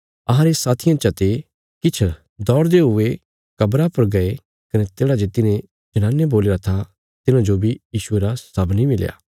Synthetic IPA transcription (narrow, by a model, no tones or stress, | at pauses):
ɐɦãɾesaːt̪ʰijãt͡ʃɐt̪e | kɪt͡ʃʰ | d̪ɔːɾd̪eɦʊe | kɐbɾapɐɾɡɐe | kɐnet̪eːɽad͡ʒeːt̪ɪnẽ | d͡ʒɐnaːnːeboːlɪɾat̪ʰa | t̪ɪnãd͡ʒobʱijiːʃʊeɾasɐbnimɪlja̰ː